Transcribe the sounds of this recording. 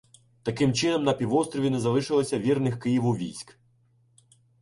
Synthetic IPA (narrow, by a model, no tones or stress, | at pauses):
t̪ɐkɪmt͡ʃɪnɔmnɐpʲiʋɔst̪ɾɔʋʲinɛzɐlˠɪʃɪlˠɔsʲɐʋʲirnɪxkɪjiʋʊʋʲḭjsʲk